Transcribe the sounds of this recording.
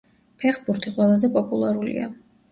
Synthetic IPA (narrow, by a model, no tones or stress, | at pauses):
pʰɛχbuɾt̪ʰiqʼwɛlˠazɛpʼɔpʼulˠaɾulḭa̰